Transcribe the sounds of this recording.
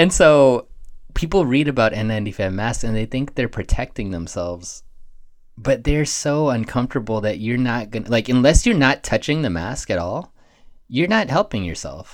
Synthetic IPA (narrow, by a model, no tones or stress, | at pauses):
ɨ̃nsoʊpʰipl̩ˠɹiɾɨbaʊɾʔɛ̃nɛ̃ndifɛ̃mæsksɨ̃nðeɪθɪ̃ŋk̚ðə˞pʰɹ̥ɨtʰɛk̚tɪ̃ŋðə̃msɛlˠvz̥ | b̥ʌt̪̚ðə˞soʊʌ̃nkʰʌ̃ɱftə˞bl̩ˠðɨt͡ʃə˞nət̚ɡ̥ʌnlaɪkɨ̃nlɛsjə˞nətʰʌt͡ʃɪ̃ŋðɨmæ̰skɨɾɔlˠ | jə˞nət̚hɛlˠpɪ̃ŋjə̰˞sɛ̰lˠf